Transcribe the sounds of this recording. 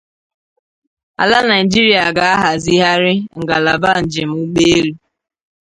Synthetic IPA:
a̰˨la˦na˨ɪ˨d͡ʒi˦ɾi˨a˨ɡa˨a˦ɦa˨zi˦ɦa˦ɾɪ˦ŋ̩˨ɡa˨la˨ba˦˨n̩˨d͡ʒɪ˨m̩˦u˦k͡pe˦e˦lu˦

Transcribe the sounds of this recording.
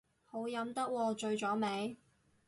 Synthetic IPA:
ho˨˥wjɐ˨˥mt̪ɐ˥k̚wɔː˧t͡ʃɵ˧ɥt͡ʃɔː˨˥me˨˧˥j

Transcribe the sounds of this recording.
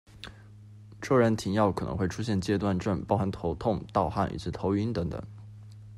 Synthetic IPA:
ʈ͡ʂɤ˥˩ɻə˧˥nt̪ʰi˧˥ŋjɑ˥˩ʊkʰɤ˨˩nə̰˧˥ŋxwe˥˩ɪʈ͡ʂʰu˥ɕjɛ˥˩nt͡ɕjɛ˥t̪wa˥˧nʈ͡ʂə˥˩npɑ˥ʊxa˥nt̪ʰo˧˥ʊt̪ʰʊ˥˧ŋt̪ɑ˥˧ʊxa˥˩nʔḭ˨˩ʈ͡ʂɻ̩˥˩t̪ʰo˧˥ʊy˧˥nt̪ɤ˧˥ŋt̪ə̰˨˩˦ŋ

